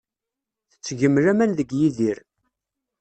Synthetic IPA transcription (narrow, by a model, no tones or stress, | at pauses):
θə̥t͡sːʝəmːɾæmænðəɡjiðiɾ